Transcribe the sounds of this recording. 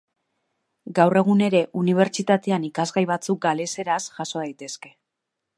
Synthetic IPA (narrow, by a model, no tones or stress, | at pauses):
ɡawre̞ɣ̞une̞ɾe̞ʔuniβ̞e̞ɾt͡ʃit̪at̪e̞anikazɣajβat͡suk̚ɡale̞se̞ɾasʝaso̞ðajt̪e̞ske̞